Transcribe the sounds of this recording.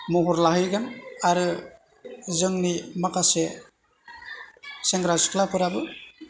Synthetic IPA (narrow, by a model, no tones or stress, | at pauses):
muɦuɾlaɦɯjɡanaɾɯ | zɯŋnimakase | seŋɡɾasɯ̥kʰlapʰɯɾabɯ